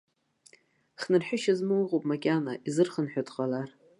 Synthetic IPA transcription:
χnɨrħᶣʊʃazmɨwʁopʼmakʲʼanaʔizɨrχənħʷᶣadʁalar

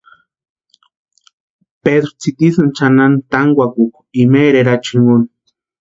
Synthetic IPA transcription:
ped̪ɾʊ̥t͡sit̪isant͡ʃanant̪aŋɡʷakuk | imeɾeɾat͡ʃiŋun

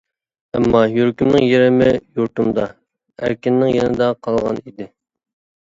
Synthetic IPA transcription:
æ̰mːɑjuɾkʲymnɪŋjeɾɪmɪjuɾt̪umd̪ɑ | æ̰ɾkʲinːɪŋjenɪd̪ɑqʰɑlˠʁɑ̰nid̪ɪ

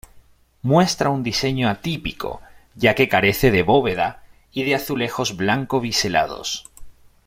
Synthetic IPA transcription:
mwe̞st̪ɾaund̪ise̞ɲoat̪ipiko̞̰ʝake̞kaɾe̞θeðe̞βo̞βe̞ða | iðeaθule̞xo̞zβlaŋko̞β̞isela̰ðo̞̰s

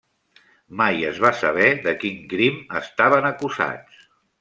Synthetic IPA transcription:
majəzβasəβ̞ɛðəkiŋkɾiməst̪aβ̞ənəkuza̰t͡s

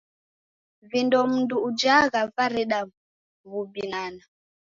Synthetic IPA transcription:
vindɔm̩nduːd͡ʒaɣavaɾɛɗa | βubinana

